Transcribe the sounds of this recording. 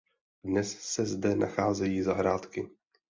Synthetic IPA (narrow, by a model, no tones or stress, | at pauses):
dnɛssɛzdɛna̰xaːzɛjiːzaɦɾaːt̪kɪ